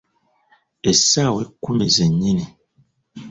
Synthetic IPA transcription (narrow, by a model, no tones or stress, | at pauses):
esawekumezeɲine